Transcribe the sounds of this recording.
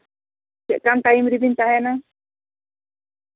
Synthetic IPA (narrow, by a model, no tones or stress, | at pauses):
t͡ʃɛ̰ʔkant̪aimɾibint̪ahɛna